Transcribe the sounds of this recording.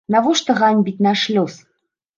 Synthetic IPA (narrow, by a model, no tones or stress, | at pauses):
navɔʂt̪ɔɣanʲbʲitʲnaʂlʲɔs